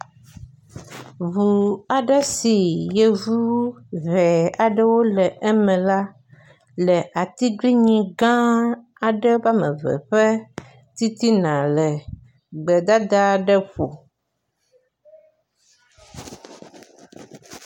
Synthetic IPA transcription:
vu˨a˨ɖɛ˦si˨je˨vu˦vɛ˨a˨ɖə˦wo˦lɛ˨ʔɛ˦mɛ̃˨la˦ | lɛ˨ʔa˨t̪i˦ɡli˦ɲĩ˦ɡã˦ | a˨ɖɛ˦ba˦mɛ̰̃˨vɛ̰˨ɸɛ˦ | t̪i˦t̪i˦nã˨lɛ˨ | ɡ͡bɛ˨d̪a˦d̪a˦ɖɛ˦ɸo̰˨

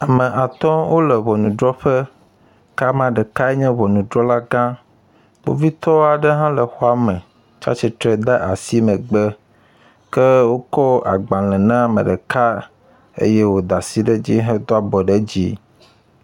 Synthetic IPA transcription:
a˨mɛ̃˨ʔa˨t̪ɔ˦wo˦lɛ˨βɔ˨nũ˨ɖɾɔ˦ɸɛ˦ | ka˦mã˨ɖɛ˨ka˦ɛ˦ɲɛ̃˦βɔ˨nũ˨d̪ɾɔ˦la˦ɡã˦ | k͡po̰˨vi˦t̪ɔ˦wa˨ɖə˦ɦã˦lɛ˨xɔ˦a˦mɛ̃˨ | t͡ʃa̰˦t͡ʃɛ˨t̪ɾɛ˦d̪ɛ˦ʔa˨si˦mɛ̃˨ɡ͡bɛ˦ | kɛ˦wo˦kɔ˦a̰˨ɡ͡bã˨lɛ̃˨nã˦˨mɛ̰̃˨ɖɛ˨ka˦ | ḛ˦jɛ˦wo˨d̪a˨si˦ɖɛ˦d͡ʑi˦ɦɛ̃˦d̪o˦a˦bɔ˨ɖɛ˦d͡ʑi˦

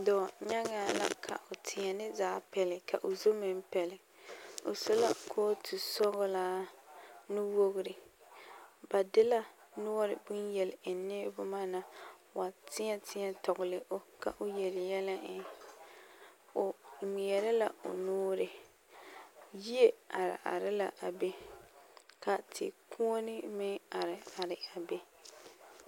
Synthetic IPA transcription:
dɔ˨ɲa˦ŋa˨la̰˦kʰa̰˨ʔʊ˨tʰɪ˨ɲɛ˨nɪ˦zaː˨˦pɛ˨lɪ˨kʰa˨ʔʊ˨zo˦mɪ˦m˦pɛ˨lɪ˨ | ʊ̰˨so˦la̰˦kʰoː˦tʰu˨sɔ˦ɣʊ˦laː˦ | nu˦wo˦ɣʊ˨ɾɪ˨ | ba˨dɪ˦la˦nʊ˦ɔ˦ɾɪ̰˨bʊ˦njɛ˨lɪ˨ɪ˨nɪː˦bʊ˦maː˦na˨wa˨tɪ˦a˦tʰɪ˦a˦˨tɔ˨ɣʊ˨lɪ˨ʔo˦ka̰˨ʔʊ˦jɛ˨lɪ˨jɛ˦la˦ɪ˨ | o˨mi˨ɛ˨ɾɪ˦la˨o̰˨noː˦ɾɪ˨ | ji˦e˦a˨ɾɪ̰˨ʔa̰˨ɾɪ˦la˨ʔa˨be˦ | ka˨tʰɪ̰˨kʰu˦o˦nɪ˦mɪ˦a˨ɾɪ˨a˨ɾɪ˨a˨be˦

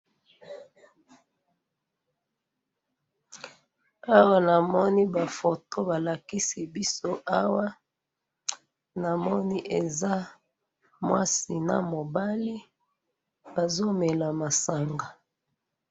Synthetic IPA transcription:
a˦wa˦na˨mɔ˦ni˦ba˨fo˨to˦ba˨la˨ki˦si˨bi˦so˦ʔa˦wa˦ | na˨mɔ˦ni˦ʔe˨za˦ | mwa˦si˨na̰˨mo˨ba˦li˦ | ba˨zo˦me˨la˨ma˨sa˨ŋɡa˨

